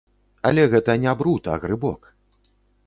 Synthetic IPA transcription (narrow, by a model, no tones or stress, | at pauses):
ɐlʲɛɣɛt̪ɐnʲabɾut̪ɐɣɾɨbɔk